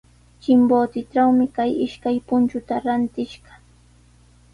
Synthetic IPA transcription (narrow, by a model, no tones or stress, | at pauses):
t͡ʃɪmboːt̪ɪʈ͡ʂawmɪkajɪʃkajpʊnt͡ʃʊt̪aɾant̪ɪʃɢɑ̥